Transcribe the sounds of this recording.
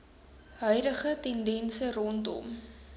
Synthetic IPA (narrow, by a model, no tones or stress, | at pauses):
ɦœɥdəχətɛndɛnsərɔntɔ̰m